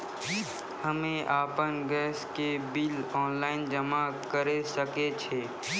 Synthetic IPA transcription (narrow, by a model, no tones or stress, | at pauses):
həmẽʔaːpənɡɛːskebɪlɔːnlaːɪnd͡ʒəmakəɾesəket͡ʃʰeː